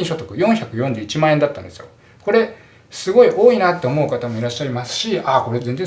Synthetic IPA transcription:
ĩɕo̞t̪o̞kɯ̟jõ̞ɰ̃çakɯ̟jõ̞ɲd͡ʑɨːit͡ɕimãend̪at̪ːãnd̪esɨjo | ko̞ɾe̞ | sɨɡo̞iʔo̞ːinat̪ːe̞omo̞ɯ̟kat̪amo̞iɾaɕːaɾʲimasɨ̥ɕiako̞ɾe̞zẽ̞nd͡zẽ̞

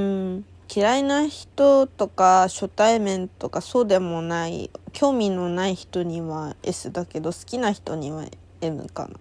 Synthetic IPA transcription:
ɯ̃ | kʲiɾainaçi̥t̪o̞t̪o̞kaɕo̞t̪aimẽ̞nt̪o̞kaso̞ːd̪e̞mo̞naḭkʲʰo̞ːmʲino̞naiçi̥t̪o̞ɲ̟iβae̞̰sɨd̪ake̞d̪o̞sɨ̥kʲinaçi̥t̪o̞ɲ̟iβa̰ | e̞mɯ̟̰ka̰na̰

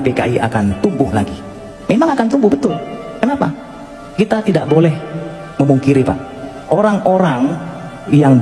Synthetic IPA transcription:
pekaʔiʔa̰kant̪umbʊhlaɡi | memaŋakant̪umbʊhbət̪ʊl | kənapa | kit̪at̪idaʔ̚bolɛh | məmuŋkiɾipa̰ʔ | ʔoɾaŋʔoɾaŋ | jaŋ

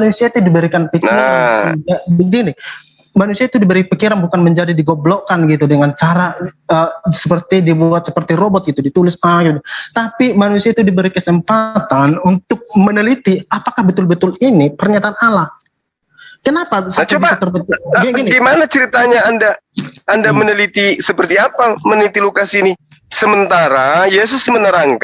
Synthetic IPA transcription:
mnusiait̪udibəɾikanpik | abəŋɡinɪ | manusiait̪udibəɾipikiɾanbukanməɲd͡ʒadidiɡoblokanɡit̪̬udəŋant͡ʃaɾaəsəpərt̪idibuat̪̚səpərt̪iɾobɔt̪̚ɡit̪udit̪ulɪsaŋɡitut̪apimanusiait̪udibəɾikəsəmpat̪anunt̪ʊk̚mənəlit̪iapakahbət̪ʊlbət̪ʊlinipərɲat̪aːnala | kənapasat͡ʃobat̪ərbət̪ɡaɡinɡimanat͡ʃəɾit̪aɲaːndaandamənəlit̪isəpərt̪iapamənəlit̪ilukasiːni | səmənt̪aɾajes̬ʊsmənəɾaŋk

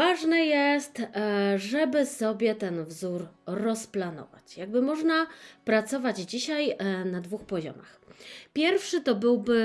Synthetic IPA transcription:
vaʐnɛjɛst̪ʐɛbɘsɔbʲjɛt̪ɛnvzuɾːɔsplanɔ̰va̰t͡ɕjaɡ̚bɘmɔʐnapɾat̪sɔvad͡ʑd͡ʑiɕajnad̪vuxpɔʑɔ̰ma̰xpʲjɛɾfʂɘt̪ɔbɘwbɘ

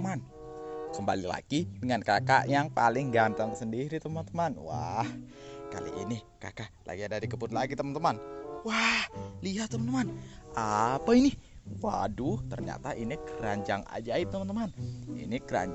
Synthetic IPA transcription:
man | kəmba̰lila̰ɡ̥idəŋankaka̰ʔjaŋpalɪŋɡant̪aŋsəndiɾit̪əmant̪əmanwa̰hka̰lḭʔini | ka̰kaʔla̰ɡiadaɾikəpʊnlaɡit̪əmant̪əmanwahliɦat̪ːəmant̪əmanapainɪwa̰dut̪ərɲa̰t̪aʔinikəɾaɲd͡ʒaŋa̰d͡ʒait̪ːəmant̪əmanḭnikəɾa̰ɲ

